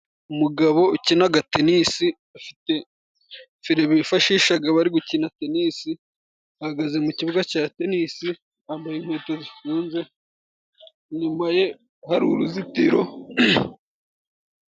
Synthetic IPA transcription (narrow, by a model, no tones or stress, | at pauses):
umuɡaβo̞ucinaɡate̞nisi | afi̥te̞ | fiɾeβifaʃiːʃaɡaβaɾiɡucinatenisi | ahaɡaze̞muciβuɡacaːte̞nisi | ambajenhweːtozifuːnze̞ | ɲumaje̞ | haɾuɾuzitiɾo̞